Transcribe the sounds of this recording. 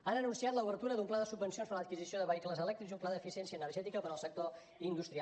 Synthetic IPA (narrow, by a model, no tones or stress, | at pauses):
anənunsiat̪ləuβəɾt̪uɾəðumplaðəsubːənsionspəɾlət̪kizisioðəβəikləzəlɛk̚t̪ɾikzumplaðəfisiɛnsiəːnərʒɛt̪ikəpəɾəlˠsək̚t̪o | ind̪ust̪ɾia